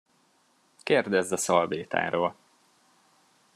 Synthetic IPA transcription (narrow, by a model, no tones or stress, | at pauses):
keːrd̪ɛzd̪ɒsɒlbeːt̪a̰ːɾoːl